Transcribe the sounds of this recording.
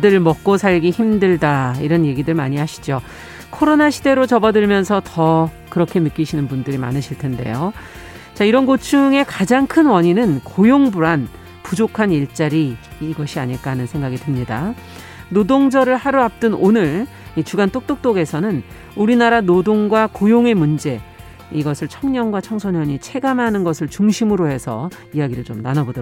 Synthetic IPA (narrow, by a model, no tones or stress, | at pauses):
dɯɭmʌk̚k͈osʰaɭɡiçimdɯɭdaiɾʌnje̞ɡidɯɭmaɲiɦaɕʰi̥d͡ʑo | kʰoɾonaɕʰide̞ɾot͡ɕʌbʌdɯɭmjʌnsʰʌtʌ | kɯɾʌkʰe̞nɯk͈iɕʰinɯnbundɯɾima̰nɯɕʰiɭtʰe̞nde̞̰jo | t͡ɕaiɾʌnɡot͡ɕʰuŋe̞kad͡ʑaŋkʰɯnwʌɲinɯnkojoŋbuɾan | pud͡ʑokʰaniɭt͡ɕ͈aɾiːɡʌɕʰiaɲiɭk͈aɦanɯnsʰe̞ŋɡaɡitɯmɲida | nodoŋd͡ʑʌɾɯɭhaɾuap̚t͈ɯnonɯɭ | it͡ɕuɡant͈ok̚t͈ok̚t͈oɡe̞sʰʌnɯn | uɾinaɾanodoŋɡwakojoŋe̞mund͡ʑe̞ | iɡʌsʰɯɭt͡ɕʰʌŋɲʌŋɡwat͡ɕʰʌŋsʰonʌɲit͡ɕʰe̞ɡamanɯnɡʌsʰɯɭt͡ɕuŋɕʰimɯɾohe̞sʰʌ̰ | iaɡiɾɯɭt͡ɕomnanʌbod